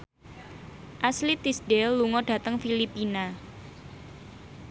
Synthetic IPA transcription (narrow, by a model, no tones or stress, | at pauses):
ʔaslit̪isdɛlːuŋɔɖ̥a̤t̪əŋfilipina